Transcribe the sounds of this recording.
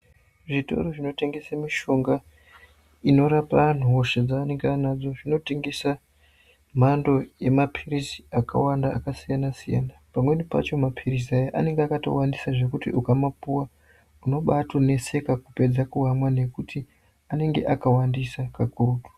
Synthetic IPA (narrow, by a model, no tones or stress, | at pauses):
ʐito̞̰roʐino̞te̞ŋɡe̞samiʃo̞ŋɡa | ino̞ɾapan̤uɦoʃed͡zaːne̞ŋɡeanad͡zo̞ʐino̞teŋɡesa | m̤ando̞je̞mapʰirisi̥aka̰wanda̰ːkasijanasija̰napamwe̞nipa̰t͡ʃo̞mapʰiris̬iajaʔa̰ne̞ŋɡeakato̞̰wandisaʐe̞kutiʔukamapuwa | uno̞ɓatone̞se̞kakupe̞d͡zakuɣamwane̞kutʰi | ane̞ŋɡe̞̰ʔakawandisakakurutu̥